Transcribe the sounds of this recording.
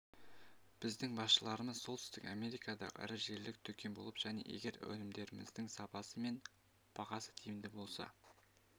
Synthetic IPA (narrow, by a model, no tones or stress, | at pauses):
b̥ɪzd̪ɪŋbɑsʃəlˠɑɾəməzsolˠt̪ʏst̪ɪkame̞ɾijkɑd̪ɑ̰æ̰ɾɪʒe̞ɾlɪk̚t̪ʰɵkʲe̞nbo̞lˠəpʒ̥æne̞̰ʔe̞̰ɡʲe̞ɾwɵ̰nɪmd̪e̞ɾɪmɪ̰zd̪ɪŋsɑpɑsəme̞n | b̥ɑʁɑsə̥t̪ʰejɪmd̪ɪbo̞lˠsɑ̰